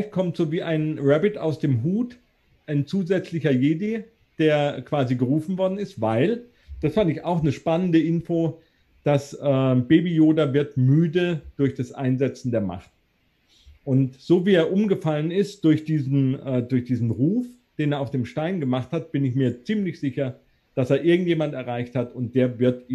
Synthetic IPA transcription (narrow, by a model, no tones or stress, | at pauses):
laɪçt̚kʰɔmtz̥oːviːʔaɪnʁɛbɪta̰ʊsd̥eːmɦuːt | ʔaɪnt͡suːzɛt͡slɪçɐjeːdi | d̥eːɐkv̥aːziɡəʁuːfn̩vɔɐdn̩ɪstv̥aɪl | d̥asfandəɪçaʊxnəʃpanəndəʔɪnfoː | d̥asʔɛːbeːbijoːdavɪɐtmyːdəd̥ʊɐçd̥asʔa̰ɪnzɛt͡sn̩deːɐma̰χt | ʔʊntz̥oːviːeːɐʔʊmɡəfalənɪst̚d̥ʊɐçd̥iːzn̩ɛːdʊɐçd̥iːzn̩ʁuːf | d̥eːneɐaʊfd̥eːmʃtaɪnɡəmaχthat̚b̥ɪnɪçmiːɐt͡siːmlɪçz̥ɪçɐ | d̥aseːɐʔɪɐɡŋ̩tjeːmantɛɐʁaɪçthatʊnt̚d̥eːɐvɪɐtː